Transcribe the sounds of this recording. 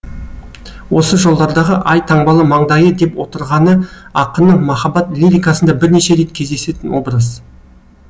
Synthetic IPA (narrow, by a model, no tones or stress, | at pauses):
wo̞səʒo̞lˠd̪ɑɾd̪ɑʁəʔɑjt̪ʰɑɴbɑlˠəmɑɴd̪ɑjəd̪e̞pwo̞t̪əɾʁɑnəɑqənəɴmɑχɑbɑt̪lʲiɾʲijkɑsənd̪ɑbɪɾne̞ʃe̞ɾe̞t̪̚kʲʰe̞zd̪e̞se̞t̪ɪnwo̞bɾəz